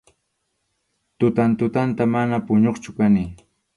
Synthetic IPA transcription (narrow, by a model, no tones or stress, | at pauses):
t̪ʊt̪ant̪ʊt̪ant̪amanapʊɲoχt͡ʃʊkanɪ